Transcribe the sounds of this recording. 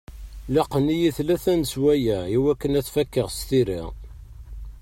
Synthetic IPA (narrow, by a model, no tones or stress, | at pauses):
lɑqːənijiθlæθænswæjæiwækːənæθfækːəʁst̪iɾḭ